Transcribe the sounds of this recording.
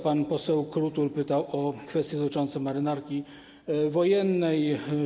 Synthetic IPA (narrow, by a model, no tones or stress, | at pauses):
panpɔsɛwkɾut̪ulpɘt̪awʔɔkfɛst̪ʲjɛd̪ɔt̪ɘ̥t͡ʂɔnt̪sɛmaɾɘnaɾkʲi | vɔjɛnːɛj